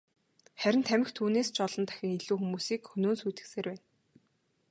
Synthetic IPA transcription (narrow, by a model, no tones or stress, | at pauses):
χæɾʲɪ̆nt̪ʰæmɪ̆xt̪ʰuːneːst͡ɕɔɮɞ̆nt̪æ̥xʲɪ̆ŋiɮuːxumuːsiːkxɵnoːnsujt̪ɘ̆kseːrpæːn